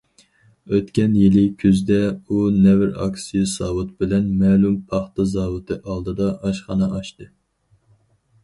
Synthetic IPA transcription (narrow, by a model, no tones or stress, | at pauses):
øt̪kʲɛnjilɪkʲʰyzd̪ɛunɛvɪɾɑ̰ksijɑsɑːwut̪̚bɪlɛnmɛːlumpʰɑχt̪ɑzɑːwɨt̪ʰɨʔɑlˠd̪ɨd̪ɑʔɑʃχɑnɨʔɑʃt̪ɨ